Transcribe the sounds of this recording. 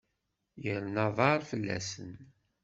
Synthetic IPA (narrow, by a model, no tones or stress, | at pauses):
jəɾnɑðˤɑɾfəlːæ̰sən